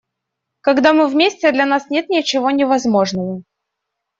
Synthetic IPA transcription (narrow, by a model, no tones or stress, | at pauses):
kɐɡd̪amɨvmʲesʲtʲɪd̪lʲɐnasnʲet̪̚nʲɪt͡ɕɪvo̞nʲɪvɐzmo̞ʐnəvə